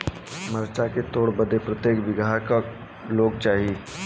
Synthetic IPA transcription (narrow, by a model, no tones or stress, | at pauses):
məɾt͡ʃaket̪oːɽbəd̪epɾət̪jeːkʋɪɡʱaka | loːɡ̚t͡ʃaːɦii